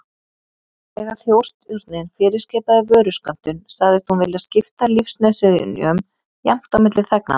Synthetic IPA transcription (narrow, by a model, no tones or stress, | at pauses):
ɛɣaθjowr̥st̪ʏɾt̪nɪnfɪːɾɪskɛːpaðɪvœːɾʏskan̥t̪ʏnsaɣðɪst̪hunvɪlɪascɪft̪alifsnɛsʏɾɪ̰njœm | jɛm̥t̪awmɪt̪lɪθɛkna̰